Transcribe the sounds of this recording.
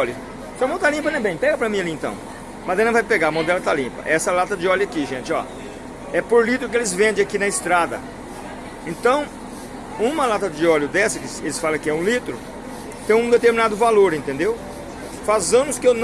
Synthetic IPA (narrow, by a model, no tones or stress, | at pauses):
ɔlʊ | sɪɐmɐ̃w̃t̪alĩmp̬ɐnẽj̃bẽj̃pɛɡɐpɾɐmĩɐliẽnt̪ɐ̰̃w̃ | mad̪ẽnɐ̃vajpeɡaɐmɐ̃w̃d̪ɛlɐt̪alĩpɐ̰ʔɛsɐlat̪ɐd͡ʒɪɔljʊakiʒẽt͡ʃɪɔ̰ | ɛpoɾlit̪ɾʊkɪelɪzvẽnd̪ẽakinɐɪst̪ɾad̪ɐ̰ | ẽnt̪ɐ̃w̃ | ũmɐlat̪ɐd͡ʒɪɔljʊd̪ɛsɐkɪselɪsfalɐ̃kɪɛũlit̪ɾʊ | t̪ẽj̃ũd̪et̪eɾminad̪ʊvaloɾẽnt̪ẽnd̪ew | fazɐ̃mʊskɪewn